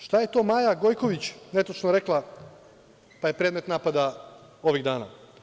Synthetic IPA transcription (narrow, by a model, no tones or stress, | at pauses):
ʃt̪aje̞t̪o̞ːmaːjaɡo̞jkoʋit͡ɕnet̪ot͡ʃnoɾeklˠa | paje̞pɾeːd̪me̞t̪naːpad̪ao̞ʋiɣd̪aːna̰